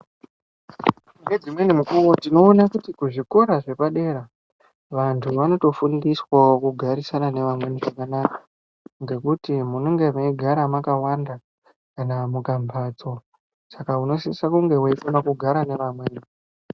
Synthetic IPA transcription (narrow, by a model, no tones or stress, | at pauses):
ŋɡe̞d͡zimwe̞nimukuwotino̞ːnakutikuʐiko̞ɾaʐe̞paɗe̞ɾa | ʋantʰuʋano̞to̞fundiswakuɡʱaɾisanane̞ʋamwe̞niʐakanakḁ | ŋɡe̞kutimunoŋɡe̞maiɡʱaɾamakawanda | kanamukambʱaːt͡so̞ | sakauno̞siisakuŋɡe̞waikonakuɡʱaɾane̞ʋamweni